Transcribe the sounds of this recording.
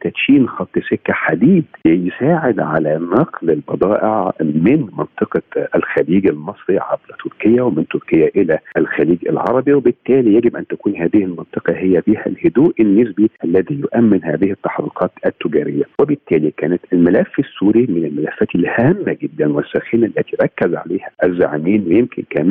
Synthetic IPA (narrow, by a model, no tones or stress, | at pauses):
t̪æt̪ʃiːnxɑt̪ˤːɨsekːæħad̪iːd̪lɪjsaːʕed̪ʕa̰lænɑqlɪlbɑd̪ˤɑːʔɪʕmɪnmɑnt̪ˤɨqɑʔælxæliːɡælmɑsˤɾiʕa̰blæt̪ʰʊɾkɪjːæwemɪnt̪ʊɾkɪjːæʔɪlæʔælxæliːɡɪ̰lʕɑ̰ɾˤɑbiwɪbɪt̪ːæːlijæɡɪbʔænt̪ækuːnhæːðɪhɪlmɑnt̪ˤɨqɑhejːæbiːhæ̰lhʊd̪uːʔɪnːɪsbiʔælːæðijʊʔæmːɪnhæːðɪhɪt̪ːɑħɾḭːqʰɑːt̪ʔæt̪ːʊɡæːɾɪjːæwɪbɪt̪ːæːlikæːnæt̪ʔɪlmælæfːɪsːuːɾimɪnɪlmælæfːæːt̪ɪlhæːmːæɡɪd̪ːænwɪsːæːxɪnalːæt̪iɾˤɑkːæzʕa̰leːhæʔæzːa̰ʕmiːnwejemkʰɪ̰nkæːm